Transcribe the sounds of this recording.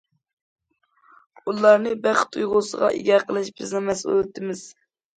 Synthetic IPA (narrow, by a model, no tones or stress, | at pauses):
ulˠɑɾnɨbæχt̪ʰujʁʊsəʁɑ̰ʔḭɡʲɛqʰəlˠɨʃbɪznɨmɛsø̰lt̪ʰːɪmɪz̥